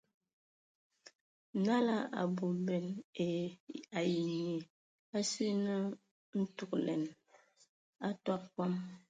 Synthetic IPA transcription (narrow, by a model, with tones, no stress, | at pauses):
na˦la˦ʔa̰˨bu˨bɛ˨n˨ | a˨ji˨ŋi˨ | a˦si˦nɨ˦ | n̩˦tu˨klɛ̰˨n˨ | a˦ta˦p̚ka˦m